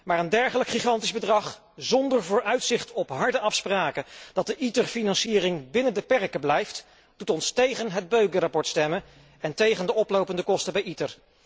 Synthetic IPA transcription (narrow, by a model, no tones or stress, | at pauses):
maːɹəndɛɹχələkχiχɑntizbədrɑχ | zɔndəɹvʊːɹœɥtsɪχtʰɔpɦɑɹdəʔɑfspraːkəd̥ɑt̚dəʔitəɹfinɑnsiːrɪŋbɪnəndəpɛɹkəblɛjft | d̥utɔnstejχənɦəd̚bøɥkərapɔɹtstɛmən | ɛntejχəndəɔplowpəndəkɔstəbɛjitər